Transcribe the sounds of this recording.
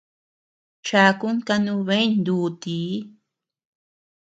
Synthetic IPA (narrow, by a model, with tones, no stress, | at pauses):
t͡ʃa˧ku˦ŋka˧nũ˧βe˦jnd̪u˧t̪i˨˦